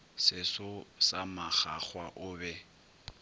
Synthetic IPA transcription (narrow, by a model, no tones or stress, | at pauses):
sɪsʊsamaχa̰k͡xwaʔʊːbɛ